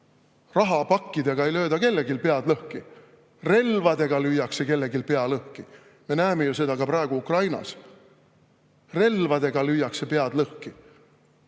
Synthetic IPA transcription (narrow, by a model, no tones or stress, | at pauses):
rɑɦɑpɑkːid̪̥eɡ̥ɑe̞jlø̞ːd̪ɑke̞lːe̞ɡilpe̞ɑd̪̥lɤhki | re̞lvɑd̪̥e̞ɡ̥ɑlyjɑkse̞ke̞lːe̞ɡilpe̞ɑlɤhki | me̞næeme̞juse̞d̪̥ɑkɑpɾɑe̞ɡ̥uukrɑjnɑ̰s | re̞lvɑd̪̥e̞ɡ̥ɑlyjːɑksepe̞ɑd̪̥lɤhki